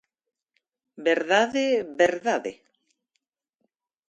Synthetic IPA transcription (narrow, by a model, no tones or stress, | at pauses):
beɾðaðeβeɾðaðḛ